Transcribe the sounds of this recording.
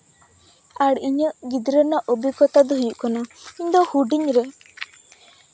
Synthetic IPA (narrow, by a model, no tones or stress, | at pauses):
aɽiɲəɡid̪ɾənaʔobikɔt̪ad̪uɦujuʔkɔnaiɲd̪ɔhuɖiɲɾe